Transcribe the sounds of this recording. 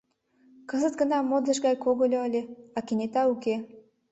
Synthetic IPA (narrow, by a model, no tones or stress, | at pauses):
kə̆zət̪̚ɡə̆nɑmod̪ləʃɡɑjkoɣolʲoəlʲeɑkenʲet̪ɑuke